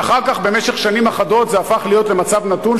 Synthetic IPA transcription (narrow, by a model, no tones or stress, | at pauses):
aχaʁkaχbe̞me̞ʃe̞χʃanimaχado̞t̪zeafaχlijo̞tle̞mat͡savnatun